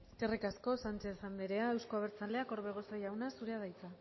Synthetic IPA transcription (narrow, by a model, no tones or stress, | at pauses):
eskerikasko̞sant͡ʃe̞sand̪eɾe̞ae̞wsko̞aβ̞eɾt͡sale̞ako̞ɾβe̞ɣ̞o̞sojawnasuɾeaðajt͡sa